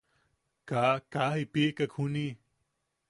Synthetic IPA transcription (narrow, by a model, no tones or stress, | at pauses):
kakahipiʔkakʰuni